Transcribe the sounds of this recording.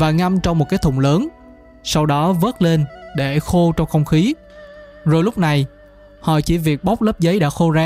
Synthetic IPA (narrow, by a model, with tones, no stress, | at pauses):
vaː˨˩ŋa˧mt͡ɕwŋ͡mmo˨˩ka˨˦jt̪ʰʊ̰˧˩wŋ͡mləː˨˦n | sa˧wɗɔ˨˦vəː˦˥t̚le˧nɗe˧˩xo˧t͡ɕɔ˧wŋ͡mxə˧wŋ͡mxi˨˦ | zo˨˩jlʊ˦˥k͡p̚na˨˩j | hɔ̰˧˨t͡ɕi˧˩vi˨˩ək̚ɓa˦˥wk͡p̚lə˦˥p̚zə˨˦jɗa̰ː˧˥xo˧zaː˧